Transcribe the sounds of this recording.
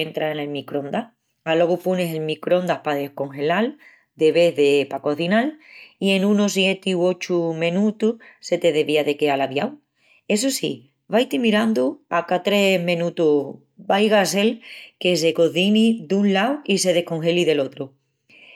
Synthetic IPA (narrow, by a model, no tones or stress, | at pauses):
ent̪ɾaene̞lmikɾõ̞nd̪a | alo̞ɣupune̞se̞lmikɾo̞nd̪ahpaðe̞hko̞ŋxelal | d̪e̞βe̞ðe̞pako̞θinalie̞nũnosje̞t̪iwo̞t͡ʃumẽnũt̪uhse̞t̪e̞ðe̞βiaðe̞ke̞alaβjaw | e̞s̬osḭ | βajt̪imiɾand̪uakat̪ɾe̞mẽnut̪u | bajɣase̞lke̞s̬e̞ko̞θinid̪unlawise̞ð̞e̞hko̞ŋxe̞liðe̞lo̞t̪ɾu